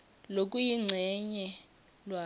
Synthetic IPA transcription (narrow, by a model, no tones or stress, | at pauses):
lokʼujiŋ͡ǀʱɛɲɛ | lwa